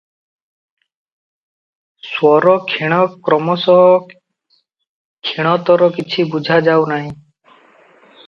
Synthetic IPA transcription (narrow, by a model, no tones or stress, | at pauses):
swɔɾɔkʰiɽ̃ɔkɾɔmɔsɔɦɔ | kʰiɽ̃ɔt̪ɔɾɔkit͡ʃʰibud͡ʒʱad͡ʒawnaɦĩ